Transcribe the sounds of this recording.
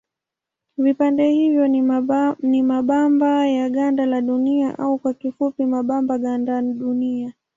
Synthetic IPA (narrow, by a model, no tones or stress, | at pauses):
vipandɛhivjɔ | nimaɓambajaɠandalaɗuniaʔaukwakifupimaɓambaɠandaɗunia